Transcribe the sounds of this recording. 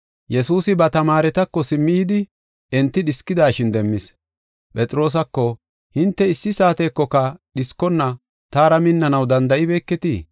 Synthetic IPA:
jɛsuːsɪbɐt̪ɐmaːɾɛt̪ɐkːɔsɪmːɪjd̪ɪ | ɛnt̪ːɪɗɪskːɪd̪aːʃɪnd̪ɛmːɪs | pʼɛt͡sʼɪɾo̞ːs̬ɐkːɔ | hɪnt̪ːɛɪsːɪsaːt̪eːkːɔkɐɗɪskːɔnːɐ | t̪aːɾɐmɪnːɐnɐwd̪ɐnd̪ɐʔɪbe̞ːkːɛt̪iː

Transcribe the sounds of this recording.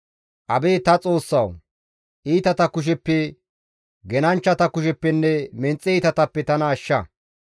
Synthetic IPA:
ʔɐbeːt̪ɐt͡sʼo̞ːsːɐ̰w | ʔiːt̪ɐt̪ɐkʊʃ̬ɛpːɛ | ɡɛnɐnt͡ʃːɐt̪ɐkʊʃ̬ɛpːɛnːɛmɛnt͡sʼːɛiːt̪ɐt̪ɐpːɛt̪ɐnɐːʃːɐ

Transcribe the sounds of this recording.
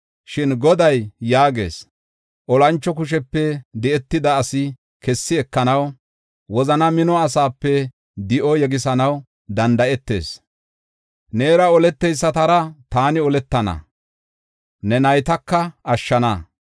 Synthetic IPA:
ʃɪnɡɔd̪ɐjjaːɡe̞̰ːs | ʔɔlɐnt͡ʃːɔk̬ʊʃ̬ɛpːɛd̪ɛɛt̪ːɪd̪ɐːsɪ | kɛsːɪɛkːɐnɐw | wɔzɐnɐmɪnɔɐs̬aːpːɛ | d̪ɪʔɔjɛɡɪs̬ɐnɐw | d̪ɐnd̪ɐʔɛt̪ːe̞̰ːs | neːɾɐɔlɛt̪ːɛjsːɐt̪ɐɾɐt̪aːnɪɔlɛt̪ːɐnɐ̰ | nɛnɐjt̪ɐkːɐʔɐʃːɐnɐ

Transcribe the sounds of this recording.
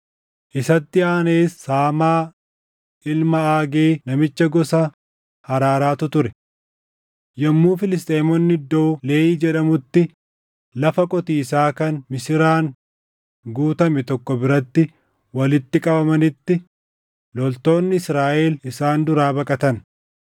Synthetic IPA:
ʔɪsɐt̪ːɪaːneːsːaːmaː | ɪlmɐaːɡeːnɐmɪt͡ʃːɐɡɔsɐ | hɐɾaːɾaːt̪ʊt̪ʊɾɛ | jɐmːuːfɪlɪst̪ʼeːmɔnːɪd̪ːoːle̞ːʔiːd͡ʒɛᶑɐmʊt̪ːɪ | lɐfɐkʼɔt̪iːsaːkɐnmɪsɪɾaːŋ | ɡuːt̪ɐmɛt̪ɔkːɔbɪɾɐt̪ːɪ | wɐlɪt̪ːɪkʼɐbɐmɐnɪt̪ːɪ | lɔlt̪o̞ːnːɪɪsɾaːʔeːlɪsaːnd̪ʊɾaːbɐkʼɐt̪ɐn

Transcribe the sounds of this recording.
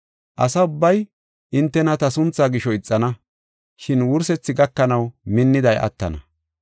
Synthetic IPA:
ʔɐ̰sɐʊbːɐj | ʔɪnt̪ːɛnɐt̪ɐsʊnt͡sːaːɡɪʃɔɪt͡sʼːɐnɐ | ʃɪnwʊɾsɛt͡sːɪɡɐkːɐnɐwmɪnːɪd̪ɐjʔɐ̰t̪ːɐ̰nɐ̰

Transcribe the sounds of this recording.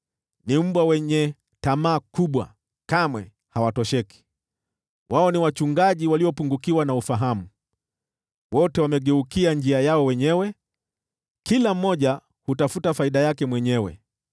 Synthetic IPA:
nim̩ɓwawɛɲɛ | tamaːkuɓwa̰ | kamwɛ | hawatɔʃɛki̥ | wʔaɔniwat͡ʃuŋɡaʄiwaliɔpuŋɡukiwanaufaɦamu | wɔtɛwamɛɠɛukiand͡ʒiajaɔwɛɲɛwɛ | kilam̩ːɔʄa | hutafutafaiɗajakɛmwɛɲɛwɛ̰

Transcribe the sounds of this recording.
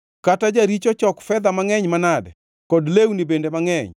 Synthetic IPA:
katad͡ʒaɾit͡ʃɔt͡ʃɔkfɛd̪amaŋɛɲmanadɛ | kɔdlewnibendemaŋɛɲ

